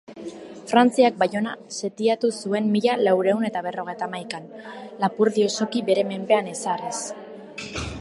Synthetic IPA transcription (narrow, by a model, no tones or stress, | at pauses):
fɾant͡siak̚bajo̞nase̞t̪iat̪usue̞mːiʎalawɾe̞une̞t̪aβ̞e̞ro̞ɣ̞e̞jt̪amajkanlapuɾðio̞so̞kiβe̞ɾe̞me̞mbe̞anesares